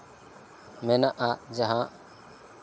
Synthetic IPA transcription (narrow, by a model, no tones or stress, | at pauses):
menaʔad͡ʒaɦã